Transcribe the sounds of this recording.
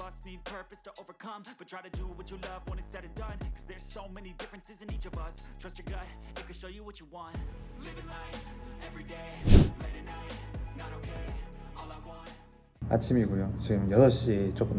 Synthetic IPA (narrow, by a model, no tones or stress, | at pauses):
bʌsnid̚pʰɜ˞pɨstʰəʔoʊvə˞kʰʌ̃mb̥ʌtʰɹ̥aɪɾɨdəwʌt͡ʃɨlʌvwə̃nɨtsɛɾɨ̃ndʌ̃nkʰʌzðə˞z̥soʊmɛnidɪfɹɨ̃nsɨzɨ̃nit͡ʃʌvʌstʰɹ̥ʌst͡ʃə˞ɡaɪt̚kʰɨ̃nʃoʊjɨwʌt͡ʃəwɑ̃nt̚leɾɨnaɪɛvɹideɪleɾɨnaɪnəɾokʰeɪɔlˠawɑ̃n | a̰t͡ɕʰimiɡujot͡ɕiɡɯmjʌsʌɕit͡ɕokun